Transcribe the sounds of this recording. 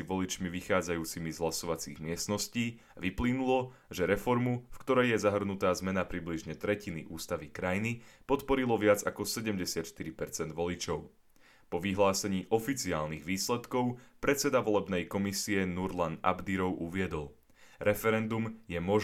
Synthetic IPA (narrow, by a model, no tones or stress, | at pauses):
iʋɔlit͡ʃmiʋixaːd͡zajuːt͡simizɦlasɔʋat͡sḭːɣmɪɛst̪nɔsciː | ʋiplinulɔ | ʒɛɾɛfɔɾmufkt̪ɔɾɛjjɛzaɦr̩nut̪aːzmɛnapɾibliʒɲɛt̪ɾɛciniʔuːst̪aʋikɾajnipɔt̪pɔɾilɔʋɪad͡zakɔsɛɟɛmɟɛsɪat̪ʃt̪iɾipɛɾt͡sɛnd̪ʋɔlit͡ʃɔʊ | pɔʋiɦlaːsɛɲiːʔɔfit͡siaːlniɣʋiːslɛt̪kɔʊpɾɛt̪t͡sɛd̪aʋɔlɛbnɛjkɔmisiɛnuɾlana̰bd̪iɾɔʊuʋɪɛd̪ɔl | ɾɛfɛɾɛnd̪umjɛmɔʒ